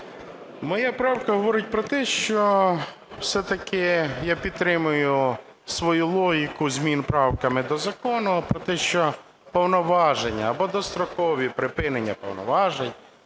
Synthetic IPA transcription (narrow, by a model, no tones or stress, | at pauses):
mɔjapɾɑwkɐɦɔʋɔɾɪt̚ʲpɾɔt̪ɛʃt͡ʃɔ | wsɛt̪ɐkɪjapʲid̪̚t̪ːɾɪmʊjʊ | sʋɔjulˠɔɦʲikʊzʲmʲinpɾɑwkɐmɪd̪ɔzɐkɔnɔɔpɾɔt̪ɛʃt͡ʃɔ | pɔwnɔʋɑʒenʲːɐːbɔd̪ɔst̪ɾɔkɔʋʲipɾɪpɪnenʲːɐpɔ̰wnɔ̰ʋɑʒenʲ